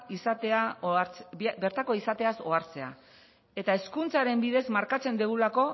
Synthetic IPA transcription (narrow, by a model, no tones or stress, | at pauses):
isat̪eat͡sbeɾt̪ako̞isat̪e̞aso̞aɾt͡se̞a̰ | e̞t̪ae̞skunt͡saɾe̞mbiðe̞zmaɾkat͡se̞nd̪eɣ̞ulako̞